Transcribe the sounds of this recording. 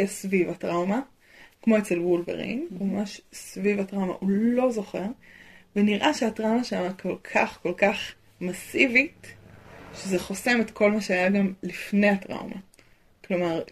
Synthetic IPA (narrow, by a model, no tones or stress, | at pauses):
jasvivatʁawma | kmo̞et͡selwulvḛʁḭnumamaʃsvivatʁawma̰ʔulo̞zo̞χe̞ʁveniʁʔaʃeatʁawmaʃeamakʰo̞lkʰaχko̞lkaχ | masivit | ʃezeχo̞se̞metkʰo̞lmaʃeajaɡamlifnejatʁa̰wmʔa̰ | klo̞maʁ